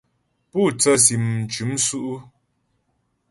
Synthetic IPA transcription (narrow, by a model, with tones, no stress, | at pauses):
puː˦˨t͡sə˦si˨m̩˨t͡ʃʉ˨˦msu˦ʔu˦